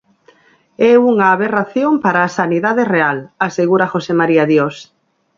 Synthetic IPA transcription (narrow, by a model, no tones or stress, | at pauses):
ɛuŋaːβeraθjompaɾaːsaniðaðerealaseɣuɾaxosemaɾiaðjos